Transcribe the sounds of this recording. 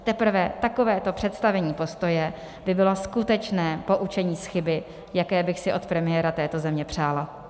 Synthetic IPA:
t̪ɛpr̩vɛt̪ako̞vɛːt̪o̞pr̥ɛt̪st̪avɛɲiːpo̞st̪o̞jɛ | bɪbɪlo̞skut̪ɛt͡ʃnɛːpo̞ʔut͡ʃɛɲiːsxɪbɪ | jakɛːbɪxsɪʔo̞t̪pɾɛmɪjɛːɾat̪ɛːt̪o̞zɛmɲɛpr̝̥aːla

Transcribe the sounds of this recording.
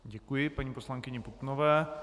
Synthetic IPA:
ɟɛkujɪpaɲiːpo̞slaŋkɪɲɛput̪novɛː

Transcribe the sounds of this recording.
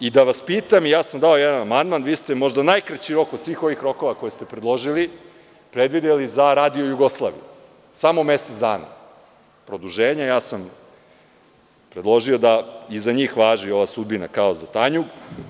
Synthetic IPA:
id̪aʋaspiːt̪amijaːsamd̪aojɛd̪anamand̪manʋiːst̪e̞mo̞ʒd̪anajkɾat͡ɕiɾo̞kod̪sʋiːxo̞ʋixɾo̞ko̞ʋako̞jest̪e̞pɾed̪lˠo̞ʒili | pɾe̞d̪ʋid̪elizaɾaːd̪iojuɡo̞slˠaːʋḭje | samo̞me̞set̪sd̪aːna̰ | pɾod̪uʒeːɲajaːsam | pɾed̪lˠo̞ʒio̞d̪aizaɲiːxʋaːʒio̞ʋasud̪̚bina̰kaozat̪aɲuɡ

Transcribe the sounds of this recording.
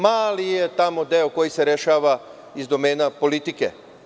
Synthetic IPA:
maːlijet̪amo̞d̪eoko̞jise̞ɾeʃaːʋa | izd̪o̞meːnapo̞lit̪ike

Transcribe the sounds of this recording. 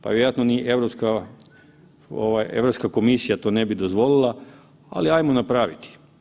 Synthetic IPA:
pa̰ʋjeɾojat̪noniʔe̞ʋɾopska | o̰ʋajḛʋɾopskako̞misijat̪o̞ːne̞bid̪ozʋo̞lilˠa | a̰liajmonapɾaʋit̪i̥

